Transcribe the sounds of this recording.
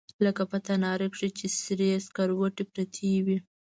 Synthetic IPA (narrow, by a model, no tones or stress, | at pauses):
ləkapat̪anɑɾekʂit͡ʃesɾeaskaɾwoʈepɾat̪ʰiwi